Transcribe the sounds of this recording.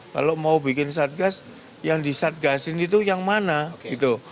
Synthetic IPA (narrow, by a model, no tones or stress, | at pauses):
ka̰lomaubi̤kɪnsat̪̚ɡas | jaŋdisat̪̚ɡasɪnit̪ujaŋmanaɡ̥it̪u